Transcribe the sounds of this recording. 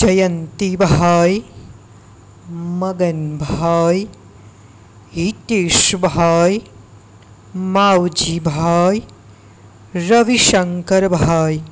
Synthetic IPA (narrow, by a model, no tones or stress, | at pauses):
d͡ʒɐjɐnt̪ibʱaːj | mɐɡɐnbʱaːj | it̪iːʂbʱaːj | maːwd͡ʒibʱaːj | ɾɐʋiʃɐŋkɐɾbʱaːj